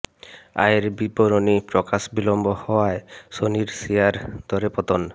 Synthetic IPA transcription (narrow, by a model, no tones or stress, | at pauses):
a̰eɾbibɔɾonipɾɔkasbilɔmbɔhɔwaesoniɾsiaɾd̪̥ʱɔɾepɔt̪ɔn